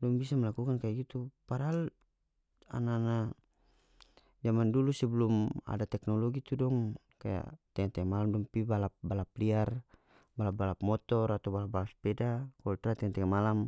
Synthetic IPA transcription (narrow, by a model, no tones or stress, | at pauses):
dɔŋbisamɛlakukankajaɡit̪upaɾal | a̰nana | d͡ʒamandulusɛbɛluma̰dat̪ɛknɔlɔɡit̪udɔŋ | kaja̰t̪ɛŋat̪ɛamalamdɔŋpibalap̚balapliar | balap̚balap̚mɔt̪ɔɾat̪awbalap̚balaspɛdakɔlt̪ɾat̪ɛŋat̪ɛamalam